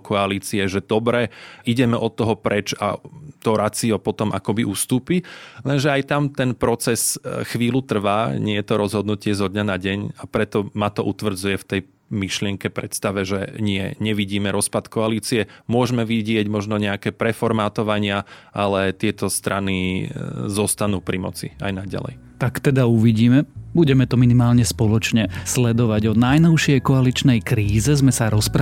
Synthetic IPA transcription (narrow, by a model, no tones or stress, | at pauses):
kɔaliːt͡siɛʒɛd̪̥ɔbɾɛʔiɟɛmɛʔɔt̪ːɔɦɔpɾɛt͡ʃa̰t̪ɔɾat͡siɔpɔt̪ɔma̰kɔbiʔust̪uːpilɛnʒɛajt̪amt̪ɛnpɾɔt͡sɛsxʋiːlut̪r̩ʋaːɲɪɛjɛt̪ɔɾɔzɦɔd̪nucɪɛzɦɔd̪ɲanaɟɛɲapɾɛt̪ɔmat̪ɔʔut̪ʋr̩d͡zujɛft̪ɛj | miʃlɪɛŋkɛpɾɛt̪st̪aʋɛʒɛɲɪɛ̰ɲɛʋiɟiːmɛɾɔspat̪kɔaliːt͡siɛmʊɔʒmɛʋiɟɪɛɟmɔʒnɔɲɛakɛːpɾɛfɔɾmaːt̪ɔʋaɲɪaʔalɛt̪ɪɛt̪ɔst̪ɾʔani | zɔst̪anuːpɾʔimɔ̰t͡sḭa̰jnaɟa̰lɛ̰j | t̪akt̪ɛd̪auʋiɟiːmɛbuɟɛmɛt̪ɔminimaːlɲɛspɔlɔt͡ʃɲɛslɛd̪ɔʋaɟɔnajnɔʊʃɪɛjkɔalit͡ʃnɛjkɾiːzɛzmɛsaɾɔspɾ